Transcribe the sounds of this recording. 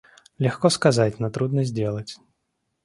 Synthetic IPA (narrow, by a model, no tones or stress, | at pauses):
lʲaxkɔskazat͡sʲnɐt̪ɾud̪nɐzʲdʲɛlˠɐt͡sʲ